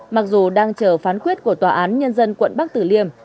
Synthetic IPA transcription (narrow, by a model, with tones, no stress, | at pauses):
ma˨˩k̚zu˨˩ɗaː˧ŋt͡ɕəː˧˩faː˨˦nkwi˦˥ət̚ku˧˩ət̪waː˨˩ʔaː˨˦nɲə˧nzə˧nkwə̰˧˨nɓa˦˥k̚t̪ɨ˧˩li˧əm